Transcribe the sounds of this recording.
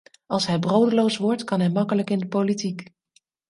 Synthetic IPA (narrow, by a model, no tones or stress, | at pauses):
ɑlˠsɦɛjbrowdəlowsʋɔɹtkɑnɦɛjmɑkələkɪndəpowlitik